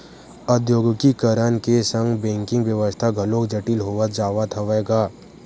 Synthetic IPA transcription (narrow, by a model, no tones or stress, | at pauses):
əd̪joːɡkikəɾənkesə̃ŋɡbɛ̃ːŋkɪ̃ŋɡʋjəʋəst̪ʰaɡʱəlõd͡ʒəʈilɦoːʋət̪̚d͡ʒaːʋat̪ʰəʋɛːɡaː